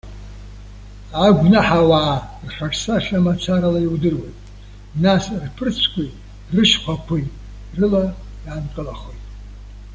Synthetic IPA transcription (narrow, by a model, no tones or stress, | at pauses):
aɡʷnaħawaːrħʷᶣarʰʼsaʂamat͡sʰaɾalaiwdɨrwejtʼ | nasrpʰɨrt͡sʷʰkʷʰʼi | rɨʃkʷakʷʰujtʼ | rɨla | jankʼɨlaχojtʼ